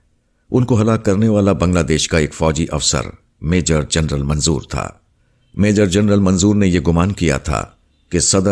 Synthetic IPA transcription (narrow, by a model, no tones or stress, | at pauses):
ʊnkoɦɐlaːkːɐɾneʋaːlabɐ̃ŋɡlaːd̪eːʃkaeːkfɔːd͡ʒiʔɐfsə̰ɾ | meːd͡ʒəɾd͡ʒɐnɾəlmɐ̃nzṵːɾt̪ʰa̰ː | meːd͡ʒəɾd͡ʒɐnɾəlmɐ̃nzuːɾnejeɡʊmaːnkija̰t̪ʰa̰ː | kesɐd̪ə